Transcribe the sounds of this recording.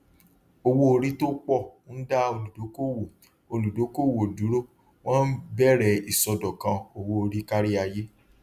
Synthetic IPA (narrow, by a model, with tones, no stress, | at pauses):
o˧wo˦o˧ɾi˦to˦k͡pɔ˦˨˦da˦o˧lu˨do˨˦ko˦˨wo˨ | o˧lu˨do˨˦ko˦˨wo˨du˨˦ɾo˦˨ | w̃ɔ̃˦n̩˦bɛ˦˨ɾɛ˨i˨sɔ˧dɔ˨kã˧o˧wo˧o˧ɾi˦ka˦ɾi˦a˧je˦